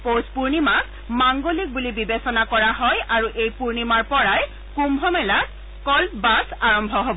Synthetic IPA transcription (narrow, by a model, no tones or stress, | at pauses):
pospuɹnimak | maŋɡolik̚bulibibesɔnakɔɹaɦɔjaɹuʔejpuɹnimaɹpɔɹaj | kumbʱɔmɛlak | kɔlpbasaɹɔmbʱɔɦobɔ